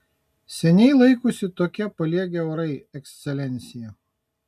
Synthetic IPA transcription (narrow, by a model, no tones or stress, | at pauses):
sʲɛnʲɛɪlˠɐɪkʊsʲɪt̪oːkʲɛpɐlʲiɛɡʲɛʊɾɐɪɛksʲt̪sʲɛlʲɛnʲt̪sʲɪjɛ